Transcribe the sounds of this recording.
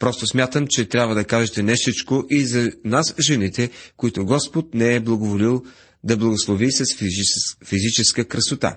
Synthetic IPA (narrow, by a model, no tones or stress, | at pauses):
pɾɔst̪osmʲjat̪əmt͡ʃɛt̪ɾʲabvəd̪ɐkaʒɛt̪ɛnɛsit͡ʃkoʔizɐnasʒɛnit̪ɛkoit̪ʊɡɔspot̪̚nɛɛblˠɐɡovolilˠ | d̪ɐblˠɐɡoslˠovisɐsffizit͡ʃɛskəkɾɐsot̪a̰